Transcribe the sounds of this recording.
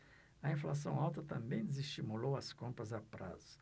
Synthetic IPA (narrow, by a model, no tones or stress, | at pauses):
ɐĩflas̬ɐ̃w̃awt̪ɐt̪ɐ̃mbẽj̃d̪ezɪst͡ʃimulowɐskõmpɾɐzapɾa̰zʊs